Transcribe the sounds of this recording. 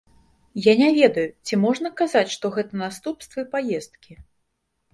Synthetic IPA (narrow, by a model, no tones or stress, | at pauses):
janʲavʲɛd̪ɐjut͡sʲimɔʐnɐkazat͡sʲʂt̪ɔɣɛt̪ɐnast̪upst̪vɐipajɛst̪̚kʲi